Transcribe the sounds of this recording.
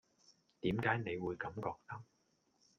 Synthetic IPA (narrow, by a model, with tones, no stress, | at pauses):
t̪iː˨˥mkaː˨˥jne˨˧jwuː˨˧jkɐ˨˥mkɔː˧k̚t̪ɐ˥k̚